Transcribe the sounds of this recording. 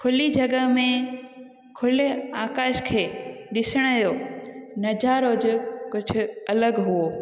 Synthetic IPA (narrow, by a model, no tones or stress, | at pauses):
kʰʊlid͡ʑʱɐɡəmẽ | kʰʊleaːkaːʃkʰeːɗɪsəɽ̃ɐjonɐd͡ʑaːɾod͡ʑʊkʊd͡ʑʰʱʊ̆ɐləɡɦuoː